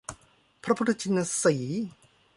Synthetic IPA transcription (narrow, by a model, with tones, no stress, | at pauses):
pʰɾa˦˥pʰu˦t̪ʰːa˧t͡ɕʰi˧nːa˧siː˩˦